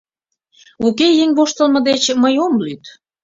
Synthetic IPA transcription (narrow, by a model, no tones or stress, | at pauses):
ukejeŋβoʃt̪əlmə̆d̪et͡ɕməjomlyt̪